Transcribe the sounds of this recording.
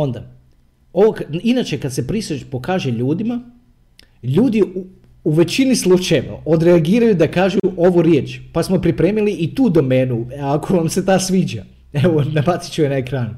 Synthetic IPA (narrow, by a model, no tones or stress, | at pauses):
o̞nd̪a̰ | oʋokinat͡ʃe̞kad̪sepɾisepo̞kaːʒe̞ʎuːd̪ima | ʎuːd̪i | uʋe̞t͡ɕinislˠut͡ʃajeʋa̰ʔo̞d̪ɾeaɡiːɾajud̪akaːʒuuʔo̞ʋuɾjeːt͡ʃpasmo̞pɾipɾeːmiliit̪uːd̪o̞me̞ːnuakʰoʋamse̞t̪aːsʋiːd͡ʒa | eʋonabat̪si̥t͡ʃuenaekɾaːnu